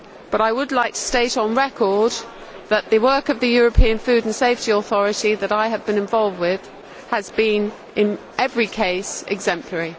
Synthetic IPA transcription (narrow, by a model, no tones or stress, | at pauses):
b̥ʌɾaɪwədˡlaɪk̚tʰə̥steɪɾn̩ɹɛkʰəd̪̚ | ðəʔðəwɜˑkəvðɨjɔːɹəpʰĩə̃nfʉːdn̩seɪftiɔθɔɹɨtiðəɾaɪəvbɨ̃nɨ̃ɱvɑlˠvd̚wɪð̥ | əzbĩn | ʔɪ̃n | ʔɛvɹikʰeɪsɪ̰ɡzɛ̃mpʰləɹi